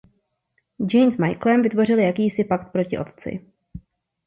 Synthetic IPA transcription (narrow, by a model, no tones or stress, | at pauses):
d͡ʒɛjnsmajklɛmvɪt̪vo̞rɪljakiːsɪpakt̪̚pɾo̞cɪʔo̞̰t̪t͡sɪ̰